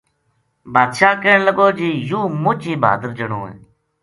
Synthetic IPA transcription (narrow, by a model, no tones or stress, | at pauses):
baːd̪ʃaːkeːɳləɡoːd͡ʒiːjũːmʊt͡ʃiːbʱa̰ːd̪əɾd͡ʒəɳõːḛː